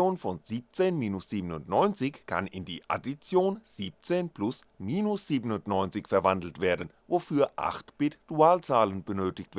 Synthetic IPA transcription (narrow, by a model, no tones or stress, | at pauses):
oːnfɔnziːp̚t͡seːnmiːnʊsz̥iːbənʊntnɔʏnt͡sɪçkʰa̰nɪndiːʔa̰dit͡sjoːnz̥iːp̚t͡seːnplʊs | miːnʊsz̥iːbənʊntnɔʏnt͡sɪçfɛɐvandl̩tv̥eːɐdn̩ | vofyːɐʔa̰χtb̥ɪtd̥uaːlt͡saːlənbənøːtɪç̚tv̥